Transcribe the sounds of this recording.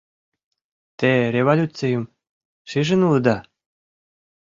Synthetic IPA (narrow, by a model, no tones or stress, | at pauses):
t̪eɾʲevolʲut͡sejŭm | ʃiʒɘ̆nulɤ̆d̪ɑ